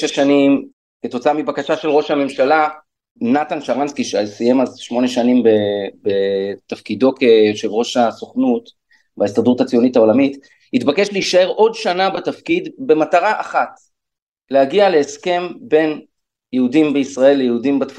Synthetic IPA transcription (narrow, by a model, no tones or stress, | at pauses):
eʃanim | ke̞to̞t͡saamibakaʃaʃe̞lʁo̞ʃhame̞mʃala | natanʃaʁanskiʃealsije̞mazʃmo̞ne̞ʃanimbebetafkido̞keʃelʁo̞ʃaso̞χnut | baestdʁutat͡sijo̞nitao̞lamit | hitbakeʃleiʃae̞ʁʔo̞dʃanabatafkidbe̞mataʁaʔaχat | lehaɡialeːske̞mbe̞n | jehudimbeisʁae̞lːejeudimbatf